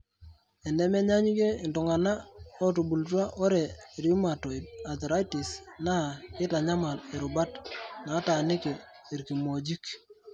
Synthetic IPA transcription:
ɛ˨nɛ˦mɛ˦ɲa˦ɲi˦ke˦ɪ˨ntʊ˨ŋa˨na˦ɔ˦tu˨bu˨ltwa˦ʔɔ˦ɾɛ˨ɾju˦ma˨tɔ˨ɪ˨t̚a˨t̪ɾa˦jtɪ˨sna˦˨kɪ˦ta˨ɲa˦ma˨lɛ˨ɾʊ˨ba˦tna˨˦ta˨nɪ˦ke˨ | i˨ɾki˨mo˨d͡ʒi˦k

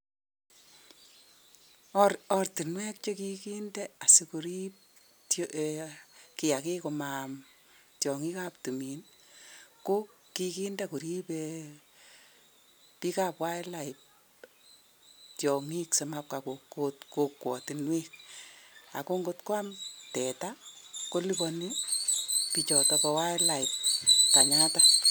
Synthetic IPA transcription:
ɔrtɪ˨nwɛ˦k̚t͡ʃo˦kiki˦ndɛ˦a˨sɪ˦ku˨ɾi˦p̚ | t | kɪ˨ja˨ke˦ko˨mam | tjɔ˨ŋi˦kap̚tu˨mi˨n | ko˦kːi˦ki˦nda˦ku˨ɾi˦pe | pi˦ka˦pwa˦ɛ˦laɪp̚ | tjɔ˨ŋi˦kse˨map̚ka˨ko˨kotko˦kwɔ˨ti˨nwi˦k̚ | a̰˨ko˦ŋɡotkwa˦mtɛ˨tako˦li˦pɔ˧ni | pi˨t͡ʃɔ˨tɔ˧pɔ˧wa˦ɛ˦la˨i˨p̚ka˨ɲa˦ta

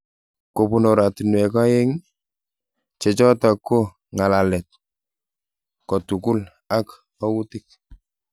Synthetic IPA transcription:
ko˨pu˦no˨ɾa˨ti˨nwɛ˨ka˦jɛ˦ŋ | t͡ʃe˨t͡ʃɔ˦ta˨kːo˦ | ŋa˨lalɛ˨t̚ | kɔ˨tu˨ku˦l | a˦k | ɔ˦wu˦tik̚

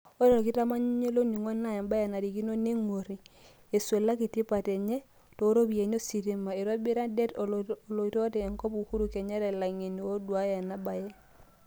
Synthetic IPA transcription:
o˦ɾɔ˨ɾɔ˨ki˦ta˦ma˦ɲ˦ɲe˦lo˦ni˨ŋɔ˦na˦ja˨mba˦ja˨na˨ɾi˨ki˦no˦ne˦ŋwo˨ɾi˨ | e˨swe˨la˦ki˨ti˦pa˨tɛ˨ɲɛ˦ | to˨˦ɾo˦bi˨e˨ɲo˦si˨ɾi˦ma˨e˨ɾa˦bi˦ɾa˦dɛ˦tːlo˨i˨to˦tɛː˨ŋkɔ˦pu˨ku˦ɾu˨kɛ˨ɲe˦ɾɛ˨la˨ŋe˨ni˨o˦dwa˦ja˨na˦ba˨jɛ˦

